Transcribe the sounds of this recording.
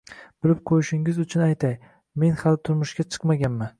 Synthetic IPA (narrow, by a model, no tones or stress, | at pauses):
b̥ɪlɪp̚qʰojɪʃɪŋɪzʊt͡ʃʰʊnajt̪ʰaj | me̞nhalt̪ʰʊɾmʊʃɡʲat͡ʃʰɨ̥qmaɡʲanman